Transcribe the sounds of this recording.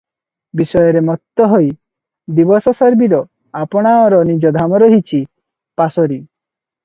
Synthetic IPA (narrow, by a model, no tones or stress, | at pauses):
bisɔjɔɾemɔt̪ːɔɦoj | d̪ibɔsɔsɔɾbiɾɔ | apɔɽ̃aɔɾɔnid͡ʒɔd̪ʱamɔɾɔɦit͡ʃʰi | pasɔɾi